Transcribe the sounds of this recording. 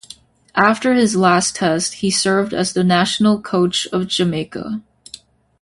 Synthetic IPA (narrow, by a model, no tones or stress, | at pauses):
ʔæftə˞ɪzlæstʰɛst̚hisɜ˞vdɨ̰zðɨnæʃn̩l̩ˠkʰoʊt͡ʃʌvd͡ʒɨmeɪkə̰